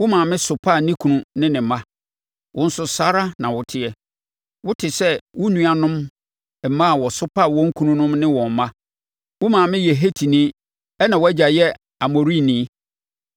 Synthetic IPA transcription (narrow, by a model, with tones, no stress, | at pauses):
wʊ˦mã˨mɪ̃˦sʊ˨pʰa˦˨nĩ˦kʰu˨nũ˨nɪ̃˦nɪ̃˨mã˦ | wʔʊ̃˦n̩˦sʊ˦sa˦ɾa˦nã˨wʊ˨tʰɪ˦ɛ˨ | wʊ˦tʰɪ˨sɛ˦wʊ˦nũ˦a˨nʊ̃˦m˨ | m̩˨mã˦˨wɔ˨sʊ˦pʰa˦˨wɔ̃˦ŋ̩˦kʰu˦nũ˦nʊ̃˦mnɪ̃˦wɔ̃˨m̩˨˦mã˦ | wʊ˦mãː˨mɪ̃˦je˨ɦe˦tʰi˨nĩ˦ | ɛ˦nã˨wɔ˦æ˦d͡ʑa˨jɛ˦ | a˨mo˨ɾi˦˨nĩː˦